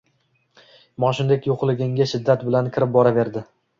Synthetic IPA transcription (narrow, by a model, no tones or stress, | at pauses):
mɒʃʊnd̪ekʲjoqlˠɪɡʲɪŋɡʲaʃɪd̪ːat̪bɪlankʲʰɪɾɪp̚bɒɾave̞ɾd̪ɪ